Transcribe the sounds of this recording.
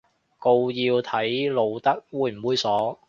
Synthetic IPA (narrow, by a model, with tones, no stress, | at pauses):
ko˧wjiː˧wt̪ʰɐ˨˥jlo˨˧wt̪ɐ˥k̚wuː˨˧jm̩˨˩wuː˨˧jsɔː˨˥